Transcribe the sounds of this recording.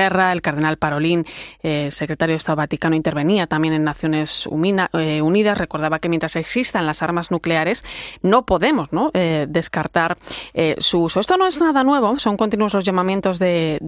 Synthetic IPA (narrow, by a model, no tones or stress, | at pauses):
erae̞lkaɾðe̞nalpaɾo̞linese̞kɾe̞t̪aɾjoest̪aðoat̪ikanoint̪e̞ɾβe̞niat̪ambjene̞nːaθjo̞ne̞sṵeuniðasre̞ko̞ɾð̞aβakemjent̪ɾaseksist̪anlasaɾmaznukle̞aɾe̞sno̞po̞ðemo̞zno̞ʔðe̞skaɾt̪aɾsuuso̞e̞st̪ono̞eznaðanwe̞βo̞so̞ŋko̞nt̪inuo̞zlo̞zʝamãmjent̪o̞zðe